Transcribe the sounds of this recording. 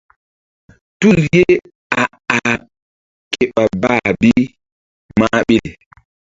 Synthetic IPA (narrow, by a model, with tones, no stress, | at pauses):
tu˦lje˦ | a˨ | a˨ | ke˨ɓa˨ba˦bi˦ | ma˦ɓi˦li˨